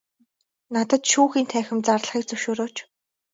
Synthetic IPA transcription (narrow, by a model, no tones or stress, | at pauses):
nat̪ə̆t̪ʃuːxiːnt̪ʰæːxʲɪ̆mt͡sarɮχiːk̚t͡sɵwʃoːɾoːt͡ɕ